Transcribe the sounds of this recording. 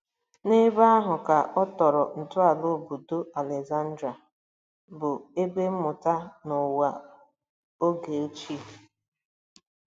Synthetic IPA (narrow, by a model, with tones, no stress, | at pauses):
nɪ˦ba˦a˦ɦʊ˨ka˨ʔɔ˦tɔ˨ɾɔ˨n̩˨tʊ˦a˨lʊ˦˨bu˨do˦a˨le˨za˦n̩˦dɾa˨ | bʊ˨e˦ɡ͡be˦m̩˦mʊ˨ta˦nʊ˨wa˨ | o˦ɡe˨o˦t͡ʃi˦˨